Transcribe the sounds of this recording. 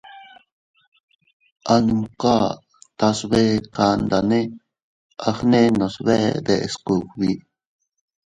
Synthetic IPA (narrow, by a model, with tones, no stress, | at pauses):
ʔa˧nu˧˨mka˦ | t̪a˧sβe˦ka˧nd̪a˨nẽ˦ | a˧xnẽ˦nõ˨sβe˦ʔd̪e˧˨e˨sku˨kβi˨